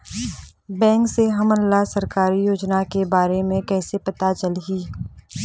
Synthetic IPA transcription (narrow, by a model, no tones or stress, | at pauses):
bɛ̃ːŋkseɦɐmənlasɐɾkaːɾijoːd͡ʒnakebaːɾemẽkɛːsepɐt̪at͡ʃəlɦiː